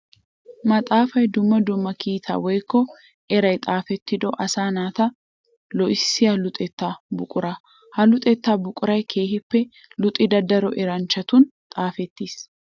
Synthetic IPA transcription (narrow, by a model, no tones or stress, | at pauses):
mɐt̪ʼaːfɐjd̪ʊmːɐd̪ʊmːɐkʰiːt̪ʰa̰ːwɔjkːɔ | ɛɾɐjt̪ʼaːfɛt̪ːɪd̪ɔʔɐsaːnaːt̪ɐ | lɔʔɪsːɪjɐlʊt̪ʼɛt̪ːaːbʊkʼʊɾa | hɐlʊt̪ʼɛt̪ːaːbʊkʼʊɾɐjkʰe̞ːhɪpːɛ | lʊt̪ʼːɪd̪ɐd̪ɐɾɔʔɛɾɐnt͡ʃːɐt̪ʊnt̪ʼaːfɛt̪ːiːs